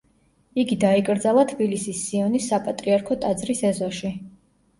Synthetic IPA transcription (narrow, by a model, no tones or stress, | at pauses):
iɡid̪aikʼɾd̪zalˠat̪ʰbilisisːiɔnisːapʼat̪ʼɾiaɾkʰɔt̪ʼad̪zɾisɛzɔʃi